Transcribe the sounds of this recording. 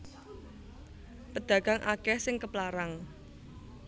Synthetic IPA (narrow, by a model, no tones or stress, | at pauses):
pəd̪̥ä̤ɡ̥a̤ŋʔa̰kɛhsɪŋkəplaɾaŋ